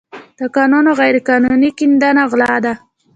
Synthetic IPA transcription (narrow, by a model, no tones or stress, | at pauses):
d̪̥əkɑnunoɣajɾekɑnunikɪnd̪anaɣlɑd̪a